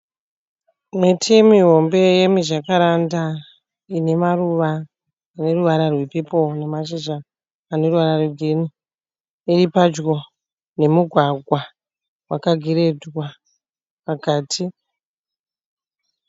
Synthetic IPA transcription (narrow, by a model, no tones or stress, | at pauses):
mitʰimiɦo̞mbe̞je̞miʐakaɾanda | ine̞maruʋaː | ne̞ruʋaɾarwepepo̞ne̞maʃ̬iʐaː | ne̞ruʋaɾarwedʱeni | iɾipad͡ʒɡo̞ | ne̞muɡʱwaɡʱwa | wʔakaɡʱiɾe̞dwa | pakaːtʰi